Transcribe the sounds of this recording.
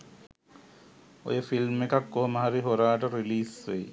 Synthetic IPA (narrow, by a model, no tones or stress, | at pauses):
o̰jefilmekakːoɦmaɦaɾiɦoɾaːʈaɾiliːsej